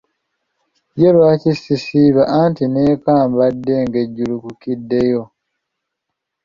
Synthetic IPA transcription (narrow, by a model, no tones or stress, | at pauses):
jelwaːcisisiːβaʔantine̞ːkaːmbadːe̞ŋɡe̞ɟːulukukidːe̞jo̞